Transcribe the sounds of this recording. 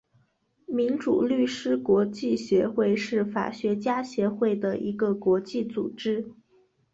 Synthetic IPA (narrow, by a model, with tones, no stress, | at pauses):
mi˧˥nʈ͡ʂṵ˨˩ly˥˩ʂɻ̩˥kwɔ˧˥t͡ɕi˥˩ɕɥɛ˧˥xwe˥˧ɪʂɻ̩˥˩fa̰˨˩ɕɥɛ˧˥t͡ɕja˥ɕjɛ˧˥xwe˥˩ɪd̪ə˩ʔi˧˥ɡə˧kwɔ˧˥t͡ɕi˥˩t͡sṵ˨˩ʈ͡ʂɻ̩˥